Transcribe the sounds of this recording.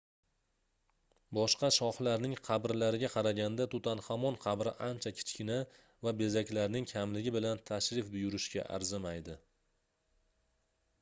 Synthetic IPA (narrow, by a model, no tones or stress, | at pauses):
bɒʃqɑʃɒhlaɾnɪŋqʰɑbɾlaɾɪɡʲaqʰɑɾaɡʲand̪at̪ʰʊt̪ʰanhamɒnqʰɑbɾɪ̰ʔant͡ʃʰakʲʰɪ̥t͡ʃkʲʰɪna | vabe̞zakʲlaɾnɪŋkʲʰamlɪɡʲɪbɪlant̪ʰaʃɾɪfbʊjʊɾɪʃkʲa̰ʔa̰ɾzɪmajd̪ɪ